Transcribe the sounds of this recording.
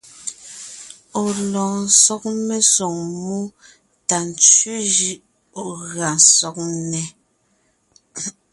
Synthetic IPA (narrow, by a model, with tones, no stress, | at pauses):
o˨lɔː˨n̩˨˦sɔ˦k̚me˦so˨ŋmu˦ | ta˨n˨t͡ʃɥʉ˦d͡ʒi˦ʔ | o˨ɣa˨nsɔ˨k̚nɛ˨